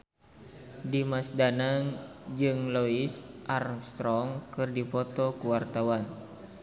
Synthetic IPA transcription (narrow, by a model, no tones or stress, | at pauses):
dimasdanaŋd͡ʒɨŋlɔisʔarŋst̪ɾɔŋkɨrdipɔt̪ɔkuwart̪awan